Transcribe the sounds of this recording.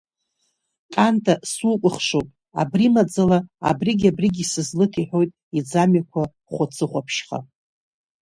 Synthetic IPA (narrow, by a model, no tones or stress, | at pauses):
kʼantʰasukʷʼʊχʂowpʼ | a̰brimad͡zalaa̰briɡʲabriɡʲisɨzlɨtʰiħʷᶣo̞jtʼ | id͡zamakʷʰa | χʷʊt͡sʰɨχʷapʰʃχa̰